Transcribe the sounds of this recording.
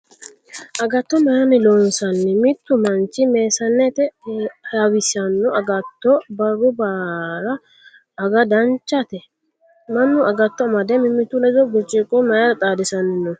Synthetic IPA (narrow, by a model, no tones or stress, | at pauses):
ʔɐɡɐt̪ːɔmɐjɐnɪloːnsɐnːɪmɪt̪ːʊmɐnt͡ʃːɪme̞ːsɐnːɛt̪ɛhawɪsɐnːʊɐɡɐt̪ːɔbɐrːʊbaːɾɐː | ɡɐd̪ɐnt͡ʃːɐt̪ɛ | mɐnːʊɐɡɐt̪ːɔɐmɐd̪ɛmɪmːɪt̪ːʊlɛd͡ʒɔbʊt͡ʃʼːɪkʼɔmɐjɐɾɐt̪ʼaːd̪ɪsɐnːɪnːʊ